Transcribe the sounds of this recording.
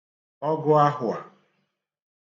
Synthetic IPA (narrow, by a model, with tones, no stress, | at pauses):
ɔ˦ɡʊ˦a˦ɦʊ˨a˨